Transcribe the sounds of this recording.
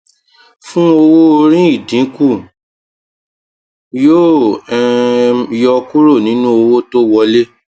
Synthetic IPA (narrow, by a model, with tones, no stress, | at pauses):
fũ˦o˧wo˦ɾĩ˦i˦˨dĩ˨˦ku˦˨ | joː˦˨ɛ˧jɔ˧ku˦ɾo˦˨nĩ˨˦nũ˦o˧wo˦to˦wɔ˧le˦